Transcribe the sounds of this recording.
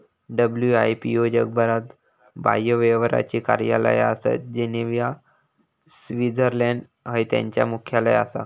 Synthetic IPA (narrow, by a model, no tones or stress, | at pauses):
ɖəbljuajpijod͡ʑək̚bʱəɾat̪ | ba̰jəʋeʋəɾa̰t͡ɕiːkaɾjalə̰jəsḛt̪̚d͡ʑeneʋja | sʋid͡zəɾlɛɳɖ | ɦəjt̪jã̰ɲt͡ɕja̰mukʰjaləja̰sa̰